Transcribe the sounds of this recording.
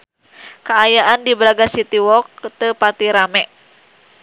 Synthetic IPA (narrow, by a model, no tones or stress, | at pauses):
kaːjaʔandibɾaɡasit̪iwɔk̚t̪əpat̪iɾamɛʔ